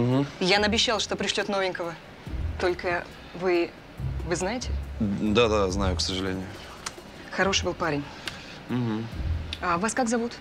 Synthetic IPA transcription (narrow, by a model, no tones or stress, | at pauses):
m̩ɦm̩janɐbʲɪɕːalˠʂt̪o̞pɾʲɪʂlʲo̞t̪no̞vʲɪnʲkəvə | t̪o̞lʲkə | vɨ | vɨznajɪtʲɪd̪ad̪aznajʊksəʐɨlʲenʲɪjʊ | xɐɾo̞ʂɨbɨlˠpaɾʲɪnʲ | m̩ɦm̩avaskakzɐvut̪